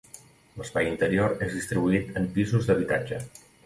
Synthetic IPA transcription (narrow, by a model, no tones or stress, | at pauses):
ləspajint̪əɾioɾezðist̪ɾiβuit̪əmpizuzd̪əβ̞it̪ad͡ʒə